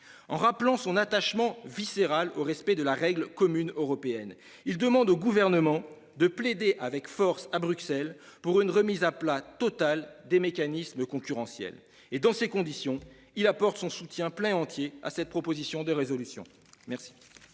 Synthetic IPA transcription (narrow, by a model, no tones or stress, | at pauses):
ɑ̃ʁaplɑ̃sɔ̃nat̪aʃmɑ̃viseʁaloʁɛspɛd̪əlaʁɛɡlkɔmynøʁɔpeɛn | ild̪əmɑ̃d̪oɡuvɛʁnəmɑ̃ | d̪əpled̪eʔavɛkfɔʁsabʁyksɛlpuʁynʁəmizaplat̪ɔt̪ald̪emekanisməkɔ̃kʲyʁɑ̃sjɛ̰l | ed̪ɑ̃sekɔ̃d̪isjɔ̃ | ilapɔʁt̪sɔ̃sut̪jɛ̃plɛ̃ɑ̃t̪jea̰sɛt̪̚pχɔpozisjɔ̃d̪əʁezɔlysjɔ̰̃ | mɛʁsi̥